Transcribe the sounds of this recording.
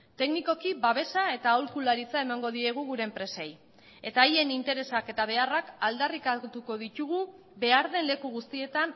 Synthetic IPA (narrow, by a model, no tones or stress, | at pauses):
t̪e̞kniko̞kiβaβe̞sae̞t̪aːwlkulaɾit͡sae̞maŋɡo̞ðie̞ɣ̞uɣuɾe̞ːmpɾe̞se̞j | e̞t̪aːje̞nint̪e̞ɾe̞sake̞t̪aβ̞e̞arakald̪arikat̪uko̞ðit̪uɣ̞u | βe̞aɾðe̞nle̞kuɣust̪ie̞t̪an